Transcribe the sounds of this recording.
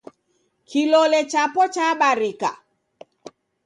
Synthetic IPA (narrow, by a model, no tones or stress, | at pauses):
kilɔlɛt͡ʃapɔt͡ʃaɓaɾika̰